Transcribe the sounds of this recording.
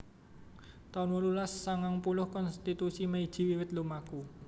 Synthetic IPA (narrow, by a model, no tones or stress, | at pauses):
t̪anwolulasːaŋaŋpulʊhkɔnst̪it̪usimeid̥ʒ̥i̤wiwɪt̪lumaku